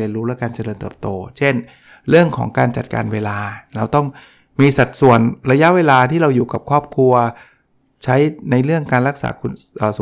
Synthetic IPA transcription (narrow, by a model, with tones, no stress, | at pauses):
i˧ənɾuː˦˥lɛ˦˥kaː˧nt͡ɕa˧lɤː˧nt̪ɯː˨˩p̚t̪oː˧t͡ɕʰe˥˩n | ɾɯ˥˩əŋkʰɔ̰ː˩˦ŋkaː˧nt͡ɕa˨˩t̪̚kaː˧nweː˧laː˧ɾa˧wt̪ɔ˥˩ŋ | miː˧sa˨˩t̪̚su˨˩ənɾa˧ja˦˥ʔweː˧laː˧t̪ʰiː˥˩ɾa˧wjuː˨˩ka˨˩p̚kʰɔː˥˩p̚kʰu˧ɐ | t͡ɕʰa˦˥jna˧jɾɯ˥˩əŋkaː˧nɾa˦˥k̚sa̰ː˩˦kʰu˧nʔəː˨˩s